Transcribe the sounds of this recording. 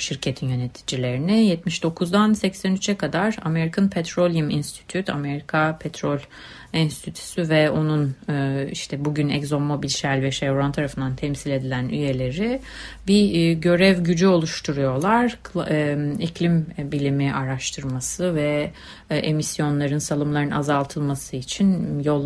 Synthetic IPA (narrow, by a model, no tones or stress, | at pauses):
ʃiɾcʰe̞t̪ʰinjø̞ne̞t̪ʰi̥d͡ʒilʲe̞ɾinijɛt̪miʃd̪o̞kʰuzd̪ansɛcsænyt͡ʃʰɛkʰad̪aɾameɾikʰanpʰɛt̪ɾo̞lʲuminst̪ʰi̥t̪ʰyt̪ʰa̰me̞ɾikʰapʰɛt̪ʰɾolʲ | inst̪ʰit̪ʰy̥syvɛo̞nunːiʃt̪ʰɛbuɟynɛ̰czo̞mːobilʲʃælʲvɛʃɛvɾant̪ʰaɾafɯnd̪ant̪ʰɛmsilʲe̞d̪ilʲænyje̞lʲe̞ɾi | biɟø̞ɾɛvɟyd͡ʒyo̞lˠuʃt̪ʰuɾujo̞lˠaɾk | icʰlʲimbilʲimiʔaɾaʃt̪ʰɯɾmasɯvɛ | ʔemisjo̞nlˠaɾɯnsalˠɯmlˠaɾɯnazalˠt̪ʰɯlˠmasɯit͡ʃʰinjolˠ